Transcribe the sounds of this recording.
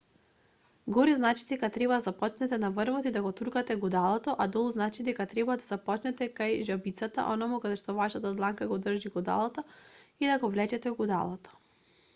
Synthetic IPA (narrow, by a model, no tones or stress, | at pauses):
ɡɔɾiznat͡ʃi̥d̪ɛkat̪ɾɛbad̪azapɔt͡ʃnɛt̪ɛnavəɾvɔt̪id̪aɡɔt̪ukat̪ɛɡud̪alˠɔt̪ɔʔad̪ɔlˠznat͡ʃid̪ɛkat̪ɾɛbad̪azapɔt͡ʃnɛt̪ɛkajʒabit̪sat̪a̰ʔɔnamukad̪ɛʃt̪ɔvaʃat̪ad̪lˠaŋkaɡɔd̪r̩ʒiɡud̪a̰lˠat̪aid̪aɡɔvlɛt͡ʃɛt̪ɛɡud̪a̰lˠɔt̪ɔ̥